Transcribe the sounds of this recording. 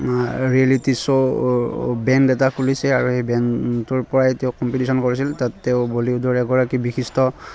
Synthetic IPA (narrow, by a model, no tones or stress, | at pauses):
ɹialitiso | bɛndɛtakʰulisɛaɹuhejbɛntʊɹpɔɹajtɛʊkɔmpitisɔnkoɹisiltatːɛʊboliʊdʱɔɹɛɡɔɹakibixistɔ